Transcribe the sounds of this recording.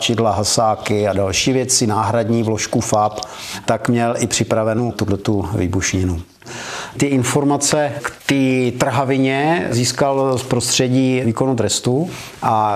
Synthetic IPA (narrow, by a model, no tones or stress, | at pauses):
t͡ʃɪdlaɦasaːkɪadalʃiːvjɛt͡sɪnaːɦɾadɲiːvloʃkufap | t̪akmɲɛlʔɪpr̝̥ɪpɾavɛnut̪udlɛt̪uvḭːbuʃɲɪnu | t̪ɪʔɪnfo̞ɾmat͡sɛkt̪iːt̪r̩ɦavɪɲɛziːskalspɾost̪r̝̥ɛɟiːviːko̞nut̪ɾɛst̪u | ʔa